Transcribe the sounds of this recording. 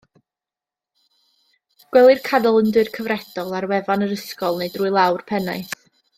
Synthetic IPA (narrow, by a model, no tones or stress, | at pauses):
ɡ̥wɛlˠɨrkʰadɔlˠəndɨrkʰəvrɛd̥ɔlˠarwɛvanəɾəskɔlˠneɨdruːɨlˠawrpʰɛnajθ